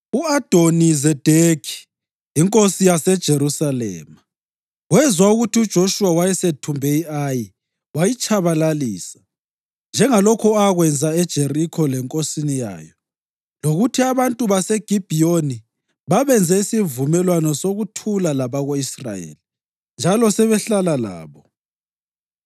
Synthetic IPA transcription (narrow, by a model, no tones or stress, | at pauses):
uad̥ʱonizɛd̥ʱekʰi̥ | iŋkʼosijasɛd̥ʒ̥ʱeɾusalɛ̰ːma | ɣwɛzwauɣutʰiud̥ʒ̥ʱoʃuwawajɛsetʰumbʱɛiaji | wajit͡ʃʼaβalaliːsḁ | nd͡ʒʱɛŋalɔkʰɔaɣwɛnd͡zʱaɛd̥ʒ̥ʱerikʰɔlɛŋkʼosinija̰ːjɔ | loɣutʰiaβantʼuβasɛɡ̥ʱib̥ʱijoni | βaβɛnd͡zʱɛisivumɛlwanɔsoɣutʰulalaβaɣoisra̰jḛli | nd͡ʒʱalɔsɛβɛɬalala̰ːβɔ